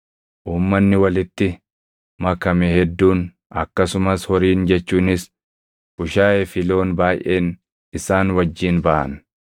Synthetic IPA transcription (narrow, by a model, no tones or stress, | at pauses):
ʔuːmːɐnːɪwɐlɪt̪ːɪ | mɐkːɐmeːhɛd̪ːuːn | ɐkːɐsʊmɐshɔɾiːnd͡ʒɛt͡ʃːuːnɪs | bʊʃaːjefɪlo̞ːnbaːjʔeːn | ɪsaːnwɐd͡ʒːiːnbɐʔɐ̰n